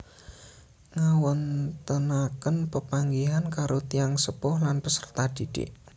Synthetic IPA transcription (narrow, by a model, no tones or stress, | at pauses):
ŋawɔnt̪ənakənpəpaŋɡiɦankaɾot̪iaŋsəpɔhlanpəsərt̪ad̪̥id̥ɪ̰ʔ